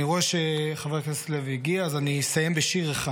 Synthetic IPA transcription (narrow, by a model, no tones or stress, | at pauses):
iʁoeʃeχavekssleviɡiaːzanisajembeʃiʁeχa